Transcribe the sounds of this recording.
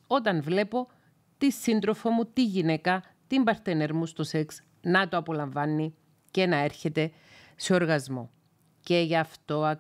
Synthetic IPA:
o̞t̪ɐnvle̞po̞ | t̪isind̪ɾofomut̪iʝine̞kɐ | t̪imbɐɾt̪ene̞ɾmust̪oseks | nɐt̪oɐpo̞lɐɱvɐnːi | ce̞nɐe̞ɾçe̞t̪e̞ | seo̞ɾɣɐzmo̞̰ | ce̞ʝɐft̪o̞ɐ

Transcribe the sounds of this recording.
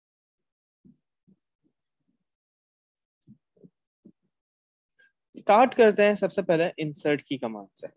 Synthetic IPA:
sʈaːɾʈkɐɾt̪eɦɛ̃sɐbsepɛɦleʔɪ̃nsəɾʈkikɐmã̰ːɖseː

